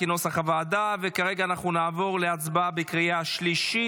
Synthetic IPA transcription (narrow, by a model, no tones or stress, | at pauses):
inosaχavaːdavekaʁe̞ɡaːnaχnunaːvo̞ʁleat͡sbabikʁijaʃliʃi